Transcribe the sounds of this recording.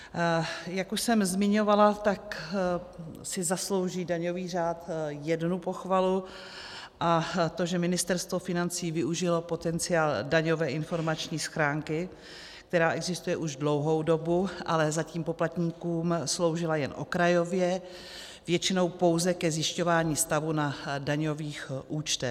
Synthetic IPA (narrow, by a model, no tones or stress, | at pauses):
jakuʃsɛmzmɪɲo̞valat̪ak | sɪzaslo̞wʒiːdaɲo̞viːr̝aːt̪jɛdnupo̞xvalu | ʔat̪o̞ʒɛmɪnɪst̪ɛɾst̪vo̞fɪnant͡siːvɪʔuʒɪlo̞po̞t̪ɛnt͡sɪjaːldaɲovɛːʔɪnfo̞ɾmat͡ʃɲiːsxɾaːŋkɪ | k̚t̪ɛɾaːʔɛɡzɪst̪ujɛʔuʒdlo̞wɦo̞wdo̞buʔa̰lɛzaciːmpo̞plat̪ɲiːkuːmslo̞wʒɪlajɛnʔo̞̰kɾajo̞vjɛ | vjɛt͡ʃɪno̞wpo̞wzɛkɛzjɪʃco̞vaːɲiːst̪avunadaɲo̞viːxʔuːt͡ʃt̪ɛ